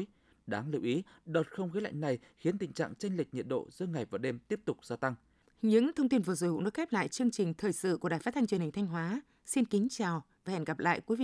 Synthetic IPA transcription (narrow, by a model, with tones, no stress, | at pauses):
j | ɗaː˨˦ŋlɨ̰˧˨wʔi˨˦ɗo˨˩t̚xə˧wŋ͡mɣəː˨˦la̰˧˨jŋ̟na˨˩j | xi˨˦ənt̪ï˨˩ŋ̟t͡ɕa̰ː˧˨ŋt͡ɕe˧ŋ̟lï˨˩k̚ɲḭ˧˨ənɗo̰˧˨zɨ̰˧˦əŋa˨˩jvaː˨˩ɗe˧mt̪i˦˥əp̚t̪ʊ˨˩k͡p̚z̥aː˧t̪a˧ŋ | ɲɨ̰˧˥ŋt̪ʰə˧wŋ͡mt̪i˧nvəː˨˩zo̰˨˧˨kʊ̰˧˥ŋɗo˨˦j̚kxɛ˦˥p̚la̰ː˧˨jt͡ɕɨ˧əŋt͡ɕï˨˩ŋ̟t̪ʰəː˨˩jsɨ̰˧˨ku˧˩əɗaː˨˩jfaː˦˥t̪̚ʰŋt͡ɕwənhï˨˩ŋ̟tʰa˧jŋ̟ɦwaː˨˦ | si˧nkï˨˦ŋ̟t͡ɕaː˨˩wvaː˨˩hɛ̰˧˩nɣa˨˩p̚la̰ː˧˨jkwi˨˦vḭ˧˨